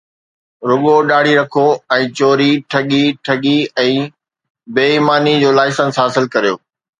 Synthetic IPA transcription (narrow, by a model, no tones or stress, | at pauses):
ɾʊɠoɗaːɽ̤iɾɐkʰoɛ̃ːt͡ɕoːɾiʈʰɐɠiʈʰɐɠiɛ̃ː | beːimaːnid͡ʑoːlaːɪsənsɦaːsɪlkɐɾijoː